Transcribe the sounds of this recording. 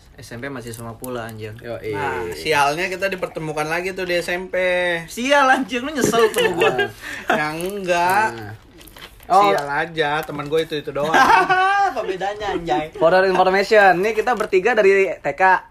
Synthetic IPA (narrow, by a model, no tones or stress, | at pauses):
ɛsɛmpemasɪhsumapula̰ːɲd͡ʒɪŋjoʔḭasialɲakit̪adipərt̪əmukanlaɡit̪udiɛsɛmpesialaɲd͡ʒəŋnʊɲəsəlt̪uɡuajaŋŋɡa | ʔɔialad͡ʒat̪əmənɡuait̪uit̪udo | pəbedaɲaɲd͡ʒaifoɾəɾinfɔrmesiənːikit̪abərt̪iɡadaɾit̪ekaʔ